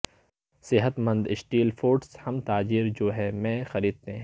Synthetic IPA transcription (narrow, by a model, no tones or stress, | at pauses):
sɪɦət̪mɐ̃nd̪ɪʃʈiːlfoːɾʈshɐmt̪aːd͡ʒiːɾd͡ʒoːɦɛmɛ̃xɐɾiːd̪̚t̪ẽɦɛ̃